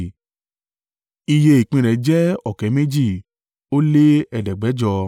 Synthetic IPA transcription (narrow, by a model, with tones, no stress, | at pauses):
i˧je˧i˨k͡pĩ˧ɾɛ˨˦d͡ʒɛ˦ɔ˨kɛ˨˦me˦d͡ʒi˦˨ | o˦le˦ɛ˧dɛ˨ɡ͡bɛ˨˦d͡ʒɔ˧